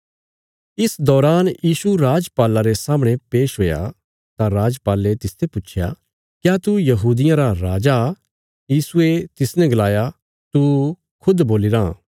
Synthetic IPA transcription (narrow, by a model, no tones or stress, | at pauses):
ɪsd̪ɔːɾaːnjiːsuɾaːd͡ʒpaːlaɾesaːməɽ̃epeːʃɦoːja̰ | t̪aɾaːd͡ʒpaːlet̪ɪst̪ʰepʊːt͡ʃʰja̰ | kjat̪ujɐɦuːd̪ɪjãɾaɾaːd͡ʒa | jiːsuet̪ɪsnɛ̃ɡlaːja | t̪u | kʰʊd̪boːlɪɾa